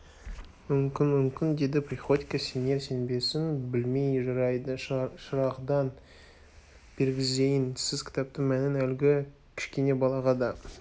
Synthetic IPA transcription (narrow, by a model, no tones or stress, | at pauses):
mʏmkʲɪnmʏmkʲɪnd̪e̞d̪ɪpɾiχot̪ikəsene̞ɾse̞nbe̞sɪnbɪlme̞jʒɑɾɑjd̪ʃəɾɑqd̪ɑn | b̥e̞ɾɡʲɪze̞jɪnsɪzkʲɪ̥t̪ɑp̚t̪əɴmænɪnælɡʲɪ | kʲʰɪ̥ʃkʲe̞ne̞bɑlˠɑʁɑd̪ɑ